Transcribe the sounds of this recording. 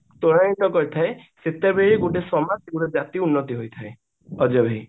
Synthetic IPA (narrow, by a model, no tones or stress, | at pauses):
t̪oɽañit̪ɔkɔɾit̪ʰae | set̪ːebeɾiɡoʈesɔmasɡuɾed͡ʒat̪iunːɔt̪iɦojt̪ʰae | ɔd͡ʒɔbʱej